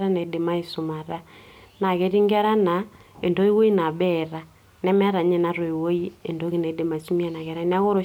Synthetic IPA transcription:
ɾa˦na˨e˨de˨ma˦e˨su˨ma˨ɾa˦na˨ɣe˦ɾi˦ŋɡa˦ɾa˦na˨ | ḛ˨ndo˦i˦wo˦i˦na˨βɛɾa | nɛ˦mɛ˦ɾa˨ɲɛ˨naɾo˨i˨wo˦i˦e˨ndo˦ɣi˦na˨e˨de˨ma˨e˨su˦mi˦a˦na˨ɣɛ˨ɾa˦n˦a˦ɣo˦ɾo˨

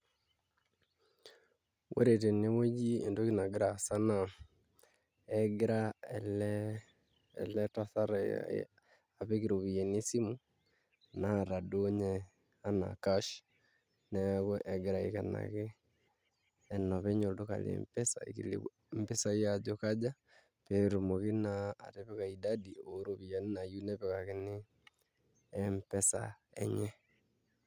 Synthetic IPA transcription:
wʔḛ˦ɾe˨t̬e˨ne˦wo˦d͡ʒi˦e˨ndo˦ki˦na˨ɡe˦ɾa˨sa˦na | ɛɡe˦ɾaɛlɛ | ɛ̰˨lɛ˦ta˦θa˦ɾa̰ | a˨βe˦ki˨ɾo˨βi˨e˨ne˦si˦mu˦ | na˦˨ɾa˨do˦ɲɛ˨ | a˦na̰˨kaʃ | nɛkwɛʔɛ˨ɡɛ˨ɾa˨e˨ka˨na̰ke˦ | nɔ˨βɛ˦ɲo˨do˦ka̰˨lḛmpɛ˦sa̰ḭkḭlḛ | mpɛ˦sai˦jad͡ʒo˦kad͡ʒa˦ | pɛ˨ɾo˨mo˨ke˦na̰ː˨ɾe˦βɛ˦kai˨dadi˨o˨ɾo˨βi˨a˨ne˦na˨ju˦nɛβɛkake˦nɪ˦ | mpɛ˦sa̰ɛ̰ɲɛ˦

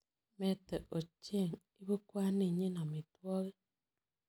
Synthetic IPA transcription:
me˦te˨ʔo˨t͡ʃe˦˨ŋ | i˦βu˦kwa˦ni˦˨ɲi˦na˨mi˨twɔ˦ɣe˦

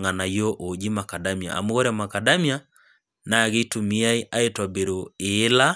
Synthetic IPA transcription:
ŋa˨na˨jo˦ʔo˨d͡ʒi˦ma˨ka˨da˦mi˨a̰˨ʔa̰˨mo˦ɣo˦ɾama˨ka˨da˦mja˦ | na˨ɣe˦tu˨mi˦a˦e˦ʔa˦e˦twa˨be˨ɾo˨e˦la˦

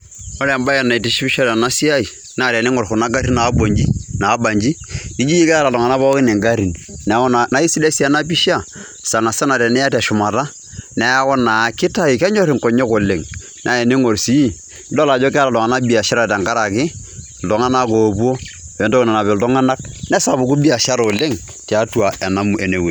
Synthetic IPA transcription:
o˦ɾa˨mba˦ja˨na˨i˨ti˦ʃi˦bi˦ʃa˦da˨na˦si˦a˦i˨ | na˦˨ɾɛ˨ni˦ŋɔ˨ɾku˨na˦ɡa˦ɾi˦na˨˦bo˨ɲd͡ʒi˦naː˨˦ba˨ɲd͡ʒi˦ni˦d͡ʒi˦i˦ka˦ɾa˨dɔ˨ŋa˨na˦ba˦kɪ˦nɛ˨ŋɡa˦ɾi˨nn˨˦kɔ˦n˨na˨˦i˦si˦de˦si˦a˦na˦p̬i˦ʃa˦˨ | sa˨na˨sa˦na˨ɾɛ˨nɛ˦a˦tɛ˨ʃʊ˨ma˨ta˦ | nɛ˨˦a˦kɔ˦na˨kɪ˦ta˦i˨kɛ˦ɲɔ˦ɾɪ˨ŋ˨kɔ˨ɲɛ˦kʊ˨lɪ˨ŋ | nʔa˦ɛ˨ne˦ŋo˨ɾsi˨˦i˦ | n̩dɔ˦la˨d͡ʒɔ˦kɛ˦a˦ɾa˨lɔ˨ŋa˨na˦bi˨a˨ʃa˦ɾa˨ta˨ŋka˦ɾa˨kɪ˦ | ldɔ˨ŋa˦na˦ko˨bo˦ | bɛ˨˦ndo˦kna˨na˨bɛ˨ltɔ˦ŋa˦na˦knɛ˦sa˨bu˨ku˦bi˦a˨ʃa˦ɾo˨le˦ŋ | tɛ˨a˦tu˦a˨ɛ˨na˦mu˨ʔe˨ne˨we˨

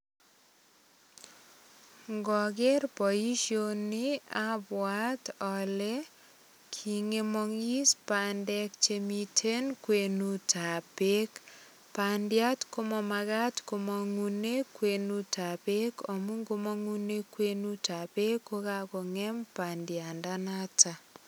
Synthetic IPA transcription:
ŋɡɔ˨ɡe˦ɾpɔ˨i˦ʃjo˦nia˦bwa˦tɔle˦ | kʰi˨ŋe˦mɔ˨ŋi˦spandɛkt͡ʃe˨mi˦tʰe˦nkwe˨nu˦ta˨pe˦k | pa˨ndja˦tko˦mɔ˦ma˨ɣa˦tko˦mɔ˦ŋune˦kwe˨nu˦tʰa˨pe˦ko˨mu˦ŋɡo˦mɔ˦ŋu˦ne˦kwe˦nu˦ta˨pe˦kːo˦ka˦ko˨ŋɛ˦mpa˨ndja˨nda˦na˦ta˨

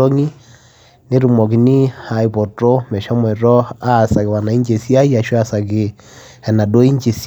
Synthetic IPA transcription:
o˦ŋi˦ | ne˦ɾu˨mɔ˨ki˨ni˦ha˨i˨pɔ˨tɔ˦mɛ˨ʃa˦mwɛ˨ɾɔ˦a˦˨sa˨ke˨wa˨na˨i˦ɲd͡ʒe˨si˦a˦ja˨ʃa˨sa˨ke˨ | ɛ˨na˨do˦i˦ɲd͡ʒe˨s

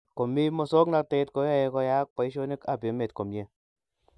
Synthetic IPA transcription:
ko˨mi˦mo˧so˦kna˧kte˧tko˨˦ja˦je˧kɔ˧ja˦k̚a˨i˦ʃ̬o˦ne˦ka˨be˨˦me˨t̚ko˨mje˦

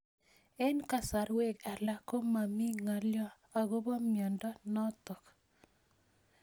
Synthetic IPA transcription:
ɛ˦nka˨sa˨ɾwe˦ka˨la˦ko˦ma˨mi˦ŋa˨ljɔ˦ | a˨ɡo˦bɔ˦mjɔ˨ndɔ˦nɔ˦t̪ɔ˨k

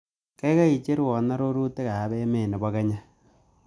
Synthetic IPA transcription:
ke˦ka˦i˨t͡ʃe˦ɾwɔ˨na˦ɾo˦ɾu˦te˦ka˨βe˦me˦˨ne˨ba˦kɛ˦ɲa˦

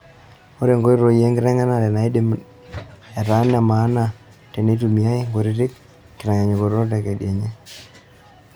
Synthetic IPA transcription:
o˦ɾe˨ŋɡo˦i˦ɾo˨je˦ŋɡɪ˦ɾɛ˦ŋa˦na˦˨dɛ˨na˨i˦de˦˨m | ɛ˨ɾa˦na˨ma˨˦na˨ | te˨ne˦tu˨mi˨a˦ŋɡo˨ɾi˦tɪ˦k̚ | ki˨ɾɛ˨ŋa˨ɲe˨ko˨˦o˦t̬a˨ke˨ɗje˨ɲe˦

